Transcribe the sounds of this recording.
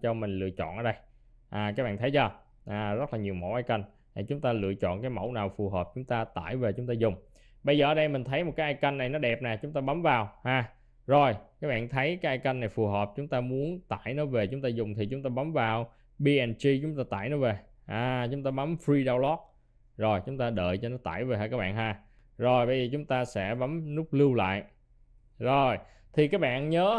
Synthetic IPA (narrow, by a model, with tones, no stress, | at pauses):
t͡ɕɔ˧mï˨˩ŋ̟lɨ̰˧˨ət͡ɕɔ̰˧˨nʔəː˧˩ɗə˧j | ʔaː˨˩kaː˦˥k̚ɓa̰ː˧˨t̪ʰjt͡ɕɔ˧ | ʔaː˨˩zə˦˥t̚laː˨˩ɲi˨˩əwmo̰˧˦wʔaː˧jka˧jŋ˨˩ | t͡ɕʊ˨˦ŋ͡mt̪aː˧lɨ̰˧˨ət͡ɕɔ̰˧˨nkaː˨˦jmə̰˧˩wnaː˨˩wfu˨˩ɦəː˨˩p̚t͡ɕʊ˨˦ŋ͡mt̪aː˧t̪a̰ː˧˩jve˨˩t͡ɕʊ˨˦ŋ͡mt̪aː˧zʊ˨˩ŋ͡m | ɓə˧jzəː˨˩ʔəː˨˦ɗə˧jmï˨˩ŋ̟t̪ʰə˨˦jm˨˩t̚kaː˨˦ʔːjka˧nːa˨˩jnɔ˨˦ɗɛ˨˩p̚naː˨˩t͡ɕʊ˨˦ŋ͡mt̪aː˧ɓa˨˦mvaː˨˩whaː˨˩ | zo˨˩jkaː˦˥k̚ɓa̰ː˧˨nt̪ʰə˨˦jkaː˦˥jʔaː˧jka˧nːa˨˩jfu˨˩ɦəː˨˩p̚t͡ɕʊ˨˦ŋ͡mt̪aː˧mu˨˦ənt̪a̰ː˧˨jnɔ˨˦ve˨˩t͡ɕʊ˨˦ŋ͡mt̪aː˧zʊ˨˩ŋ͡mt̪ʰi˨˩t͡ɕʊ˨˦ŋ͡mt̪aː˧ɓa˨˦mvaː˨˩w | ɓi˧ʔɛ˧nt͡ɕi˧t͡ɕʊ˨˦ŋ͡mt̪aː˧t̪a̰ː˧˩˨jnɔ˨˦ve˨˩ | ʔaː˨˩t͡ɕʊ˨˦ŋ͡mt̪aː˧ɓa˨˦mfɹi˧ɗaː˧wlɔ˦˥k̚ | zo˨˩jt͡ɕʊ˨˦ŋ͡mt̪aː˧ɗə̰ː˧˨jt͡ɕɔ˧nɔ˨˦t̪a̰ː˧˨jve˨˩ɦaː˧˩kaː˦˥k̚ɓa̰ː˧˨ɦaː˧˩ | zo˨˩jɓə˧jzəː˨˩t͡ɕʊ˨˦ŋ͡mt̪aː˧sɛ̰˧˥ɓa˨˦mnʊ˦˥k͡p̚lɨ˧wla̰ː˧˨j | zo˨˩j | t̪ʰi˨˩kaː˦˥k̚ɓa̰ː˧˨nɲəː˨˦